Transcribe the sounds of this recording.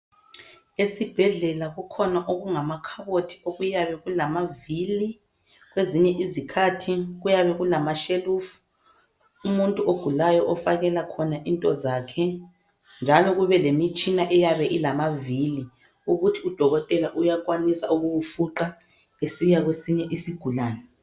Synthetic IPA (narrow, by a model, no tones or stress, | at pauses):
esib̥ʱɛɮɛlaɣukʰɔnaʔoɣuŋamakʰaβotʰi̥oɣujaβɛɣulamavili | ɣweziɲɛʔizikʰatʰiɣujaβɛɣulamaʃelufu̥ | umuntʼuʔoɡ̥ʱulajɔʔɔfaɣɛlakʰɔnaʔintʼɔzaːkʰɛ | nd͡ʒʱalɔɣuβɛlemit͡ʃʼinaʔɛjaβɛʔilamavili | uɣutʰiud̥ʱɔɣɔtʼɛlaʔujak̬ʼwanisa̰uɣuwufuǁa | esijaɣwesiɲɛʔisiɡ̥ʱulaːnɛ